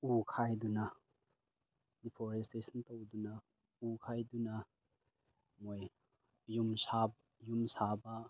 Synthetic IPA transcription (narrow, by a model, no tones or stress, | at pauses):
ukʰajdunɐ | dipʰoɾestesʰɐntɐwdunɐ | ukʰajdunɐ | moj | jumsab | jumsabɐ